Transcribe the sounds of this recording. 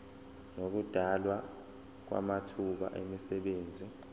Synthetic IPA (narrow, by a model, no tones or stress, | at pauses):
nok̬ud̥ʱalwa | k̬wa̰matʰuɓa̰ʔemisɛɓeːnd͡zʱi